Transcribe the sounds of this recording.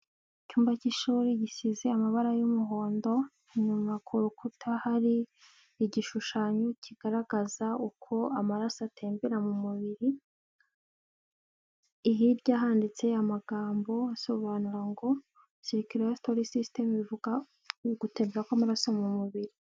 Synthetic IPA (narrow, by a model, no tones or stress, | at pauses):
icuːmbaciʃuːɾiɟisize̞amaβaɾajumuɦo̞ːndo̞ | ɲumakʰuɾukutʰahaɾiː | ɟiʃuʃaːɲocʰiɡ̥aɾaɡazaukʰo̞amaɾasatʰeːmbeɾamumuβiɾi | ɦiɾɟaːɦaːndit͡se̞amaɡaːmbo̞aso̞βaːnuɾaŋɡo̞ | siɾikiɾejastoɾisiste̞mβivuɡa | ɡute̞ːmbeɾakwamaɾasomumuβiɾi